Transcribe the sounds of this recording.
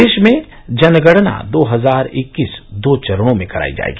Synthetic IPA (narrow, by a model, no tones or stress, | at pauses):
eːʃmẽ | d͡ʒɐnɡəɽna̰d̪oːɦɐzaːɾɪkːiːsd̪oːt͡ʃɐɾɽ̃õmẽkɐɾa̰ːḭd͡ʒa̰ːḛːɡiː